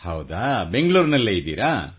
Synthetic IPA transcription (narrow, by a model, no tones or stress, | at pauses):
hɐwd̪aːbeŋɡɭuːɾnɐlːeid̪ḭːɾa